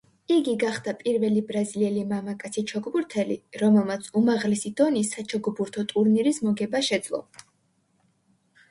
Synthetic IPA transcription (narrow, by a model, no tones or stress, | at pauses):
iɡiɡaχd̪̥apʼiɾvɛlibɾaziliɛlimamakʼat̪sʰit͡ʃʰɔɡbuɾt̪ʰɛliɾɔmɛlˠmat̪sʰumaʁlɛsid̪̥ɔnisat͡ʃʰɔɡbuɾt̪ʰɔt̪ʼuɾniɾismɔɡɛbaʃɛd̪zlˠɔ̰